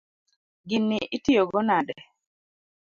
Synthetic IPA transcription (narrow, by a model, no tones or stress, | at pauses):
ɡɪnːiʔitijoɡɔnadɛ